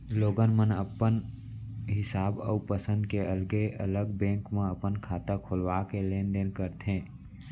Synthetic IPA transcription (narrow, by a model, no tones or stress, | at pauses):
loːɡənmənəpən | ɦɪsaːbə̰pəsə̃nd̪keəlɡeʔə̰ləɡbɛ̃ːŋkmẽəpənkʰaːt̪akʰoːlwakelẽːnd̪enkəɾt̪ɦẽː